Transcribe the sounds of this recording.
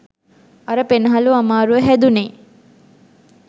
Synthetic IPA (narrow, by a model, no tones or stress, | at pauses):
ɐɾəpenəɦaluamaːɾuəɦæd̪une